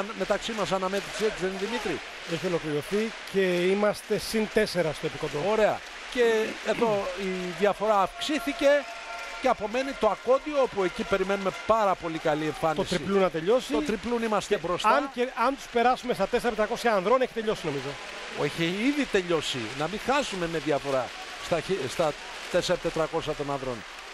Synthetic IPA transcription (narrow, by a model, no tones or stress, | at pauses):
nme̞t̪ɐksimɐs̬ɐnɐmet̪ɾiset̪izeniðimit̪ɾi | eçio̞lo̞kliɾo̞θice̞imɐst̪e̞sint̪e̞se̞ɾɐst̪oepikod̪ooɾe̞ɐ̰ | ce̞ːðoiðjɐfo̞ɾɐːfksiθice̞ | ceɐpo̞me̞nit̪oɐko̞d̪ioopue̞cipe̞ɾimenume̞pɐɾɐpo̞likɐlie̞ɱfɐnt̪oist̪ɾiplunɐt̪eʎo̞sitoɾiplunimɐst̪ebɾo̞st̪ɐnceɐnt̪u̥spe̞ɾɐsume̞st̪ɐt̪eseɾɐpt̪ɾɐkosçɐːnðɾoneçi̥t̪e̞ʎo̞sino̞mizo̞ | eçiiðit̪e̞ʎo̞sḭnɐmixɐsume̞meðjɐfo̞ɾɐ | st̪ɐçist̪ɐ | t̪eseɾɐt̪et̪ɾɐko̞sçɐt̪o̞nɐnðɾo̞̰n